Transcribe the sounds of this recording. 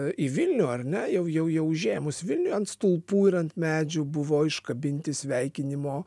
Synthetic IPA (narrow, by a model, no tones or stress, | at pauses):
ɪʋʲɪlʲnʲuːɐɾʲnʲɛjɛʊjɛʊjɛʊʒʲeːmʊsʋʲɪlʲnʲʊɐnt̪st̪ʊlˠpuːɪɾɐnt̪mʲæːd͡ʒʲʊbʊʋoːɪʃkɐbʲɪnʲt̪ʲɪsʲʋʲɛɪkʲɪnʲɪmoː